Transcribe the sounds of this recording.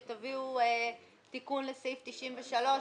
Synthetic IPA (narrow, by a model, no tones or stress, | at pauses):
t̪aviue | t̪ikunlesejft̪iʃimveʃalo̞